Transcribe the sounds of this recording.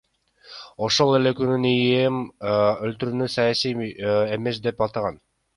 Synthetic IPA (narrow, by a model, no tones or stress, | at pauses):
oʃo̞lˠe̞le̞kynynijemølt̪yɾyːnysɑjasije̞me̞s̬d̪e̞pɑlˠt̪ɑʁɑn